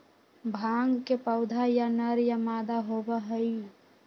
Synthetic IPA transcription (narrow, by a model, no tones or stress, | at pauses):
bʱaːŋɡkepəʊd̪ʱajanəɾjamaːd̪aɦobəɦəi